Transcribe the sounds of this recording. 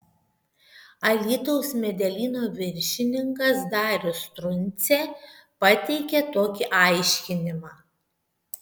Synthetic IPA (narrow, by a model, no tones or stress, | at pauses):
ɐlʲiːt̪ɔʊsmʲɛd̪ʲɛlʲiːnoːʋʲɪɾʲʃʲɪnʲɪŋkɐsd̪ɑːɾʲost̪ɾʊnʲˑt̪sʲepɐt̪ʲɛɪkʲɛt̪oːkʲiʔɐˑɪʃʲkʲɪnʲɪmɑː